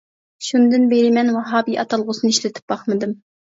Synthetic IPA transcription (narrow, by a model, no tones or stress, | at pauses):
ʃund̪ɨnbeɾɪmɛnwɑɦɑːbiʔɑt̪ʰɑlˠʁʊsɨnɨiʃlɪt̪ʰɪ̥p̚bɑχmɨd̪ɨm